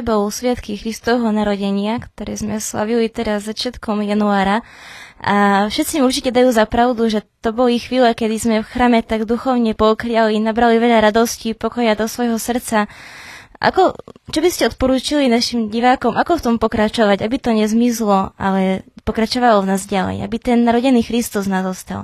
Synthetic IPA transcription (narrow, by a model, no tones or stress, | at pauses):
bɔlsʋat̪kixɾist̪ɔʋɛɦɔnaɾɔɟɛɲɪakt̪ɔɾɛːzmɛsla̰ʋilit̪ɛɾazːat͡ʃɪat̪kɔmjanuaːɾaʔafʃɛt̪t͡simuɾt͡ʃicɛd̪ajuːzapɾaʊd̪uʒɛt̪ɔbɔlixʋiːlɛkɛd̪izmɛfxɾaːmɛt̪aɡd̪uxɔʊɲɛpɔkɾialinabɾaliʋɛʎaɾad̪ɔscipɔkɔjad̪ɔsʋɔjɦɔsr̩t̪t͡sa | ʔa̰kɔt͡ʃɔbiscɛɔt̪pɔɾuːt͡ʃilinaʃimɟiʋaːkɔmakɔft̪ɔmpɔkɾat͡ʃɔʋaɟabit̪ɔɲɛzmislɔa̰lɛpɔkɾat͡ʃɔʋalɔvnaːzɟalɛ̰ja̰bit̪ɛnnaɾɔɟɛniːxɾist̪uznazɔst̪a̰l